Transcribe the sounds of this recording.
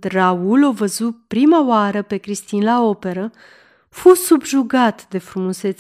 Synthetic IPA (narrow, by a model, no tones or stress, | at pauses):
raulovəzupɾimawaɾəpe̞kɾist̪inlao̞pe̞ɾə | fusubʒuɡat̪d̪e̞fɾumuse̞t̪